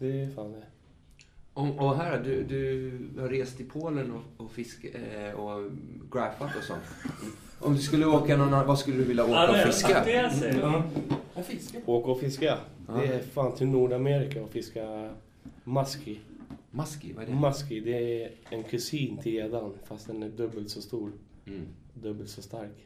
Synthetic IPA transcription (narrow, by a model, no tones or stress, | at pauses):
d̪ɛfaːnɛ | ɔɔɦæːɾad̪ɵd̪ɵhaɾeːst̪ɪpʰoːlənɔɔfɪskɔɡɾæːpat̪ɔsɔ̰nt̪ | ʔɔmd̪ɵskɵlːəoːkanɔnːavaskɵlːəd̪ɵvɪlːaoːkkaɔfɪska | fɪskaoːkəɾɔfɪskaɛæfaːnt̪ʰɪlnuːɖameːɾɪkaɔfɪska | maskɪmaskɪ̰vamaskɪd̪ɛæɛnkʰɵsiːnt̪ʰɪljad̪anːfast̪̚d̪ɛnæɖɵbːəlt̪sɔst̪uːɾ | d̪ɵbːəlt̪sɔst̪aɾk